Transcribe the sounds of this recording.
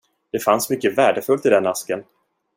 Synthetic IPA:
d̪̥ɛfansmʏkːəvæːɖəfɵlt̪ɪd̪ɛnːaskən

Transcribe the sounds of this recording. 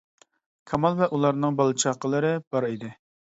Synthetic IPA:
kʰɑmɑlˠvɛʔulˠɑɾnɨŋbɑlˠɨt͡ʃʰɑqəlˠɨɾɨb̥ɑɾid̪ɪ

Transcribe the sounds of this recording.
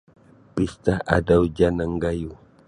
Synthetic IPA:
pist̪aa̰dawd͡ʒanaŋɡaju

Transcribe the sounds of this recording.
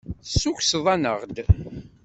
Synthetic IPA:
sːuçsðˤɑnəʁd̪

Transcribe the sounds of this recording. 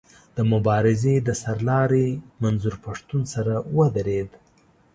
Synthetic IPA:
d̪̥əmʊbɑɾɪzed̪əsaɾlɑɾemanzuɾpaʂt̪unsaɾawəd̪aɾed̪

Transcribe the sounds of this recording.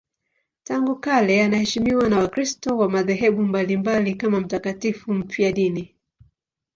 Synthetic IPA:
taŋɡukalɛanahɛʃimiwanawakɾistɔwamaðɛɦɛɓumbalimbalikamam̩takatifum̩piaɗini

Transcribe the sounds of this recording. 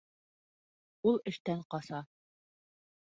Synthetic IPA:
ulˠɘ̆ʃt̪æɴqɑsɑ

